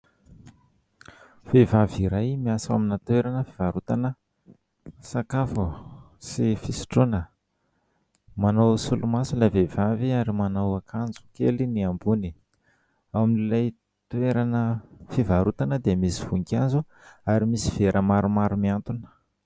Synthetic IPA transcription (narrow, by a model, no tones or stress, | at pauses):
v̥evaviɾajmiasaminət̪weɾanəfiv̥aɾut̪anə | sakafu | sifisi̥ʈ͡ʂunə | manawsulumasulavev̥aviaɾimanawakʰand͡zu̥kḛliniambuni | awaminlilaj | t̪ueɾanəfivaɾut̪anəd̪emisiv̥uŋkand͡zu | aɾimisiv̥eɾʔəmaɾumaɾumiant̪unə̥